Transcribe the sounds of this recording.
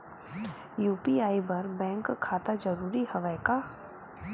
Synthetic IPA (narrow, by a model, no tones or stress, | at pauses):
juːpiaːibɐɾbɛ̃ːŋkkʰːaːt̪ad͡ʒɐɾuːɾihɐʋajkaː